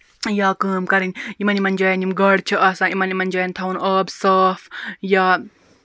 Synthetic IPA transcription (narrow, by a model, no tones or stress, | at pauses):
jaːkəːmkɐɾinʲjimɐnimɐnʲd͡ʒaːjɐnimɡɐɽt͡ʃʰiɐːsãːimɐnimɐnʲd͡ʒaːjɐnʲt̪ʰɐunɐːbsəːfjaː